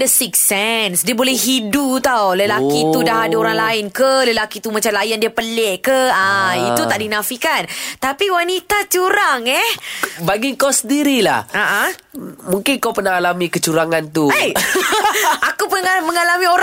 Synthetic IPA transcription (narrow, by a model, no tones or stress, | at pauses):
dəsiksɛnsdiəbolɛhɦidut̪awləlakit̪udaɦadaoɾaŋlaɪnkələlakit̪umat͡ʃamlajandiəpəlɛʔkəait̪ut̪aʔdinãfikant̪apiwanit̪at͡ʃuɾaŋɛhbaɡiŋkɔsədiɾila̰haʔamuŋkɪnkawpərnahalamĩkət͡ʃuɾaŋant̪ue | akupəaməŋalamĩoɾ